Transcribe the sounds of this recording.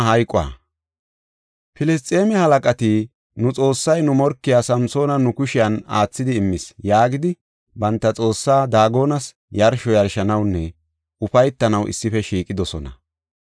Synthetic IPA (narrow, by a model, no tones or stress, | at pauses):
ɦɐjkʼʊa̰ː | pɪlɛst̪ʼe̞ːmɛhɐlɐkʼɐt̪i | nʊt͡sʼo̞ːsːɐjnʊmɔɾkːɪjaːsɐmso̞ːnɐnʊkʊʃɪjɐnaːt͡sːɪd̪ɪːmːɪsjaːɡɪd̪ɪ | bɐnt̪ːɐt͡sʼo̞ːsːaːd̪aːɡo̞ːnɐs | jɐɾʃɔjɐɾʃɐnɐwnːɛ | ʊfɐjt̪ːɐnɐwʔɪ̰sːɪfɛʃiːkʼɪd̪ɔsɔ̰nɐ̰